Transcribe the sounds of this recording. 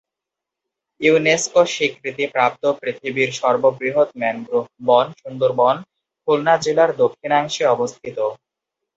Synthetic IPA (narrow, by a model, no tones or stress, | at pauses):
iuneskoʃikːɾit̪ipɾap̚t̪opɾit̪ʰibiɾʃɔɾbobɾiɦot̪mɛnɡɾubɔnʃund̪oɾbɔn | kʰulnad͡ʑelaɾd̪okʰːinaŋʃeɔbost̪ʰit̪o